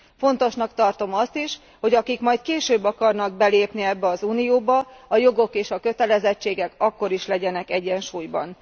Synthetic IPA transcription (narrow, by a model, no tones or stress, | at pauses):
fo̞n̪t̪o̞ʃnɒkt̪ɒrt̪o̞mɒst̪iʃ | ho̞ɟɒkikmɒjt̪keːʃøːbːɒkɒrnɒɡ̚bɛleːpniɛbːɛɒzuːnijoːbɒɒjo̞ɡo̞keːʃɒkø̞t̪ɛlɛzɛt͡ʃːeːɡɛkɒkːo̞ɾiʃlɛɟɛnɛkɛɟːɛnʃuːjbɒ̰n